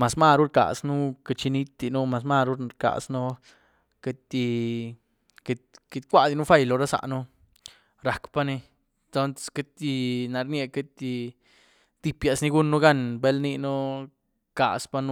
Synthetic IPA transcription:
ma˨sma˦ɾu˦ɾka̰˨snu˦ka˧t͡ʃi˧ni˦t̪d̪i˧nu˦ma˧s̬ma˦˧ɾu˦ɾɾka̰˨snu˦ | ke˧t̪i˧ | ke˧t̪ke˧t̪kʷa˦˧d̪i˧nu˦fa˦˧jlo˨˧ɾa˦sa̰˧ʔnu˦ | ɾa˨kpa˦ni˧ | t̪o˦nt͡sske˦t̪i˧na˨ɾne˧ke˦t̪i˧ | t̪i˧pja˨sni˧ɡu˦nːu˦ɡa˦nbe˦lni˧nu˦ | ka̰˨spa˧˦nu˦

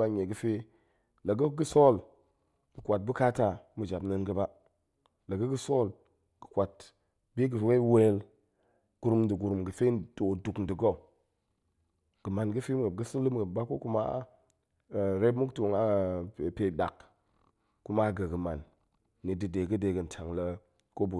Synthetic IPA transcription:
a˦ɲe˨ɡə˨˦fe˦ | lə˨ɡə˦ɡə˦so˦˨l | ɡə˨kʷa˨t̚bu˦ka˦ta˨mə˨d͡ʒa˨bnə˦nɡə˦ba˦ | la˨ɡə˦ɡə˦so˦˨l | ɡ̥ə˨kʷa˨t | bi˦ɡə˨fwe˦we˦l | ɡ̥u˨ɾu˦mdə˨ɡu˨ɾu˨mɡə˨fe˦nto˨du˨kn˨di˨ɡo˦˨ | ɡ̥ə˨ma˨nɡə˦fi˦m˦ɡə˨ɡə˦si˦nlɨ˦mɡə˨ba˦ko˦ku˦ma˦˨ | ɾe˦bmu˦kto˨ŋa˦˨pe˨da˨k | ku˦ma˦ɡə˨ɡə˨ma˨nː | i˨dɨ˨de˨ɡə˦de˨ɡə˨n˨tʰa˨ŋlə˦ | ko˦bu˨

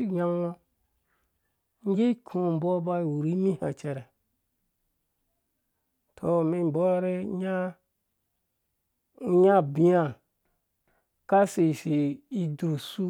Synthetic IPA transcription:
i˦ja˦wo˦ | ŋ˦ɡe˦kʰũ˨m̩˨bɔ˦ba˦i˨wu˨ɾi˦mĩ˦ha̰˨t͡ʃɛ˨ɾɛ˨ | tʰo˨mĩ˦m˨bɔ˦ɾe˦ɲa˦ | ɲa˦bi˦a˨ | ka˦se˨se˨i˦dɾu˨su˦

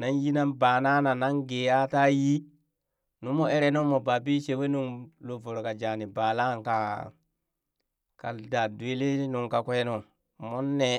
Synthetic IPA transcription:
na˦nji˦na˦nba˨na˦na˨na˦nɡe˨a˦ta˦ji˦ | nu˦mo˨e˦ɾe˦no˦mo˨ba˨bi˦t͡ʃe˨we˦nu˦nlo˨vo˨ɾo˨ka˨d͡ʒa˨ni˨baː˨la˦˨nka˨ | ka̰˨da˨du˨e˦le˦nu˨ŋka˨kʷe˦no˨ | mo˦nːe˦˨

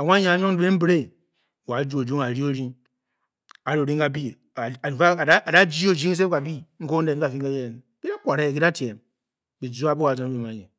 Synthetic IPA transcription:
a˨wa˦ɲa˦a˨˦ɲo˦ŋ˦be˦m̩˦bɾe˦˨ | wa˨˦d͡ʒu˦o˨d͡ʒu˦ŋ˨a˨ɾi˦o˦ɾi˦ | a˨ɾo˨ɾi˦ŋ˦ka˨bi˦˨ | a˦a˨a˦˨da˦d͡ʒi˦o˨d͡ʒi˦ŋ˦s̬e˦ka˨bi˦ŋ̩˦ko˦n˦e˨n˦ka˨fi˦ŋ˦e˦je˦˨n˨ki˦da˦kʷa˨ɾe˦je˨ki˦da˦ti˨e˨m | bi˨d͡zu˦a˦bo˦ka˨o˨˦n˦e˨m˨a˨ɲe˨

